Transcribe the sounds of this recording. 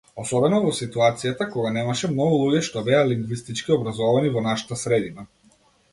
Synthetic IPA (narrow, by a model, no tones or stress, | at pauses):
ɔsɔbɛnɔvɔsit̪uat̪sijat̪akɔɡanɛmaʃɛmnɔɡulˠuɟɛʃt̪ɔbɛaliŋɡvist̪it͡ʃkiɔbɾazɔvanivɔnaʃḁt̪asɾɛd̪ina